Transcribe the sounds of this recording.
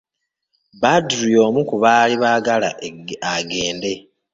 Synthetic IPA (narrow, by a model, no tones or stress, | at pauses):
badɾijo̞ːmukuβaːliβaːɡala̰aɡe̞ːnde̞